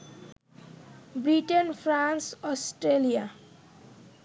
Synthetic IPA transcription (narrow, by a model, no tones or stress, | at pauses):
bɾiʈenpʰɾansɔsʈɾelija